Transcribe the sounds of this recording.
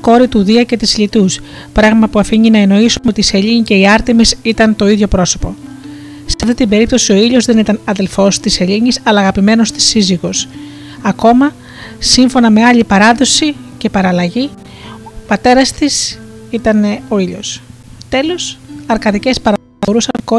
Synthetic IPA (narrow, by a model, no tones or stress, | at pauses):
ko̞ɾit̪uðiɐce̞t̪isʎit̪us | pɾɐɣmɐpuɐfiɲinɐeno̞isumeo̞t̪iseʎiɲice̞iɐɾt̪imisit̪ɐnt̪o̞iðʝo̞pɾo̞so̞po̞ | sɐft̪it̪imbe̞ɾip̚t̪o̞sio̞iʎo̞zðe̞nit̪ɐnɐðe̞lfo̞st̪ise̞ʎiɲisɐlɐːɣɐpime̞no̞st̪i̥siziɣo̞s | ɐko̞mɐ | siɱfo̞nɐme̞ɐʎipɐɾɐðo̞sice̞pɐɾɐlɐʝi | opɐt̪e̞ɾɐst̪isit̪ɐneo̞iʎo̞st̪e̞lo̞sɐɾkɐðice̞spɐɾɐ | oɾusɐŋko